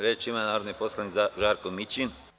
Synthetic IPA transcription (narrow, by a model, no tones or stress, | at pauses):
ɾet͡ʃimanaːɾod̪niposlˠanik̪zʒaːɾkomit͡ʃin